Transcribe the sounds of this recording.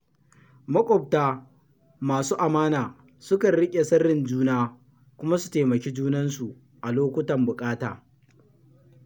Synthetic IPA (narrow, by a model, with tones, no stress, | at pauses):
mɐ˦kʷʼɔ˨p̚taː˦ | maː˨suː˦ʔa˨maː˦naː˨ | sʊ˦kɐ˨nɽɪ˦kʲʼe˨sɐ˦rːɪ˨nd͡ʒuː˦naː˦ | kʷʊ˦ma˦su̥˨teː˨mɐ˨kʲe˦d͡ʒuː˦nɐ˦nsu˨ | ʔa˨loː˦kʷʊ˦tɐ˨mbʊ˨kʼaː˦taː˨